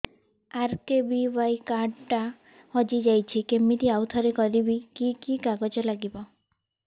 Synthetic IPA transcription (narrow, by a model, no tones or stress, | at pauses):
aɾkebibajkaɖʈa | hɔd͡ʒid͡ʒajt͡ʃʰikemit̪iawt̪ʰɔɾekɔɾibikikikaɡɔd͡ʒɔlaɡibɔ